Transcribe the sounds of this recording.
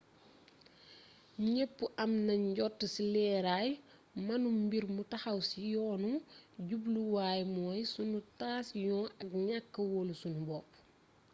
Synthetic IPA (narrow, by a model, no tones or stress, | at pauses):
ɲepːuʔɐmnɐɲɟɔtːəsilɛːɾaːj | mɐnummbiɾmutɐxɐwsijɔːnuɟubluwaːjmɔːjsunutaːsjɔ̃ːnɐkɲakːɐwolusunubɔːp